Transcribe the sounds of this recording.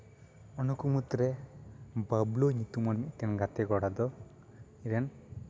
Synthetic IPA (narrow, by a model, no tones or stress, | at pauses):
ɔnukumut̪ɾɛ | babloɲit̪umamiʔt̪ɛnɡat̪ɛɡɔɽad̪ɔ | iɾen